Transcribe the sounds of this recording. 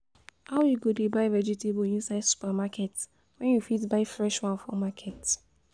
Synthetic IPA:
aʊwiɡodebaɪvɛd͡ʒitebɔĩnsaɪdsu̥pamakʰɛt | wɛ̃njufitbaɪfɹɛʃwãnfɔmakʰɛt

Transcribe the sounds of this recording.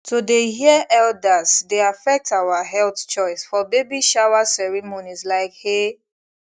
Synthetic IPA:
tʰodeɦiəʔɛldazdeafɛk̚tawaɦɛlθt͡ʃɔɪsfɔbebiʃawasɛɹɛmonizlaɪkhe

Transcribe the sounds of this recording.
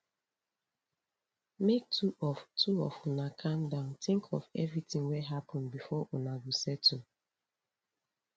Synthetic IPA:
mek̚tuɔtuɔ̰funakʰãmdãʊ̃ntĩŋkʰɔfɛvɹitĩŋwɛɦapʰɔ̃nbifɔʔunaɡusɛtu

